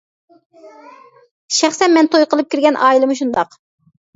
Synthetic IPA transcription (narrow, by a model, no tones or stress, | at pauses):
ʃæχsɛnmɛnt̪ʰojqəlˠɨp̚kʲiɾɡʲɛnʔɑːilˠɨmuʃ̬und̪ɑq